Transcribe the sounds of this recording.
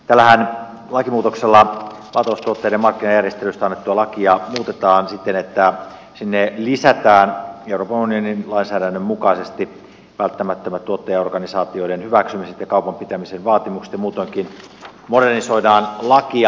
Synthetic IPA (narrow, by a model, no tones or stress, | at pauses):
t̪ælːæhæn | lɑkimuːt̪okselːɑ | ʋɑlːt̪ɑoust̪uot̪ːejdemɑrkːinɑjærjest̪elyst̪æɑnːet̪ːuɑlɑkiɑmuːt̪et̪ɑːnsit̪ːenet̪ːæ | sinːelisæt̪æːneuroːpɑnunioninlɑinsæːdænːømmukɑisest̪i | ʋælt̪ːæmæt̪ːømæt̪t̪ːuot̪ːejɑorɡ̥ɑnisɑːt̪io̞denhyʋæksymiset̪jɑkɑupɑmpit̪æmisenʋɑːt̪imukse̥t̪jɑmuːt̪oŋkin | moɾerniso̞idɑːnlɑkiɑ